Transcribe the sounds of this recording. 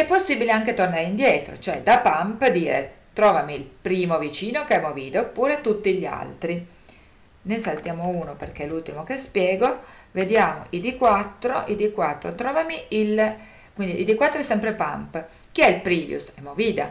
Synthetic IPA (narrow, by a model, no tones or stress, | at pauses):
ɛpːosːibileaŋk̟et̪ornaːɾeind̪jɛːt̪ɾo̰t͡ʃoɛ̰d̪apampd̪iːɾḛt̪ɾɔːvamiːlpɾiːmovit͡ʃiːnokeɛmːoviːd̪oopːuːɾet̪ut̪ːiʎːa̰lt̪ɾi | nejsalt̪jaːmouːnoperk̟elult̪imokespjɛːɡoved̪jaːmo̰ʔid̪ikwat̪ːɾo̰ʔid̪ikwat̪ːɾot̪ɾɔːvamiil | kwind̪iːd̪ikwat̪ːɾoɛsɛmpɾepa̰mp | k̟iɛilpɾiːvjṵsɛmːoviːd̪a̰